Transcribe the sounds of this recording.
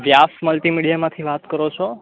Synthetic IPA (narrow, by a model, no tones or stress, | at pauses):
ʋjasməlʈimiɽijamãt̪ʰiʋat̪kəɾot͡ʃʰo